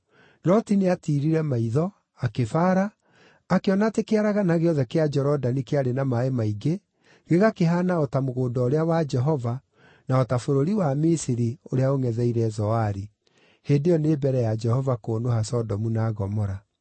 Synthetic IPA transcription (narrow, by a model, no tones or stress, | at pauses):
nɔtineatiːɾiɾɛmaiðɔ | akefaːɾaː | keɔnatekeaɾaɣanaɣeɔðɛkead͡ʒɛɾɔdanikeaɾenamaemaiɡe | ɣeɣakeɦanaɔtamoɣoːdɔoɾeawad͡ʒɛɦɔva | naɔtafoɾoɾiwamisiɾioɾeaoŋɛðɛiɾɛzɔaɾi | heːndejɔneːbɛɾɛjad͡ʒɛhɔvakoːnohasɔdɔmunaːɣɔmɔɾa